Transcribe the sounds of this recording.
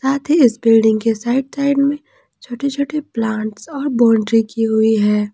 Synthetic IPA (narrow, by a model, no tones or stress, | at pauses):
saːt̪ʰiɪsbɪlɖɪ̃ŋɡkesaːɪɖ̚saːɪɖmẽ | t͡ʃʰoːʈet͡ʃʰoːʈeplãːɳʈsɔːɾbɔ̃ːɳɖɾikiɦʊiɦɛː